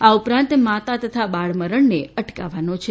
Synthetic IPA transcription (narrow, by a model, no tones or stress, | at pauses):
aupɾãnt̪mat̪at̪ət̪ʰabaɭməɾəɳneəʈka̰ʋanot͡ʃʰe